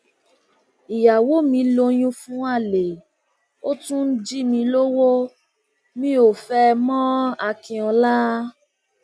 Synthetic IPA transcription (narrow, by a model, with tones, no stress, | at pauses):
i˨ja˨wo˨˦mĩ˧˦lo˧j̃ũ˦fũ˦a˦˨le˨ | o˦tũ˦n̩˦d͡ʒi˦mĩ˧lo˦wo˦ | mĩ˦o˦˨fɛ˧mɔ̃˦a˧kĩ˧ɔ̃˧la˦